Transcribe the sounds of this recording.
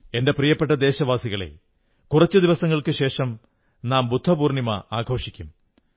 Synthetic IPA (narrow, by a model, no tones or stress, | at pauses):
e̞nde̞prijɐpːe̞ʈːɐd̪e̞ːɕɐʋaːsiɣɐɭe̞̰ | kurɐt͡ɕːɨd̪iʋɐsɐŋːɐɭkɨɕe̞ːʂɐm | naːmbud̪ʱːɐbuːrnimɐ̰aːɡʰʱo̞ːʂikʲːum